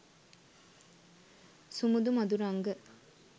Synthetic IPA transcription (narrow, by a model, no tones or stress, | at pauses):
sumud̪umɐd̪uɾɐŋɡə